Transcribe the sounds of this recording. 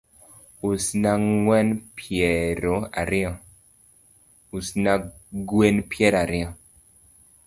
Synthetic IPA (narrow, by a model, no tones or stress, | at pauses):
usnaŋwɛnpʰjɛɾoa̰ɾɪɔ | usnaɡwenpjɛɾaɾɪɔ